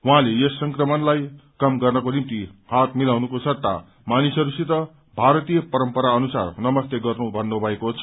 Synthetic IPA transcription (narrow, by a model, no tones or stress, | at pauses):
ɦwɦãlejesːʌŋkrʌmʌnlajkʌmɡʌrnʌkonimit̪ihat̪milawnukosʌt̪ːa̰ | manisʌɾusit̪ʌ | bʱaɾʌt̪ijʌpʌɾʌmpʌɾaʌnusa̰rnʌmʌst̪eɡʌrnubʱʌnːobʱʌekot͡sʰʌ